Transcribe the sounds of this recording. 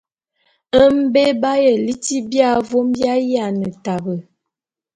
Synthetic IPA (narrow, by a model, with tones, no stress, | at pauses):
ə˦m̩˦be˦ba˦jə˨li˦ti˦bja˦˨˦vo˦mbja˦ja˨nə˨ta˨bə˨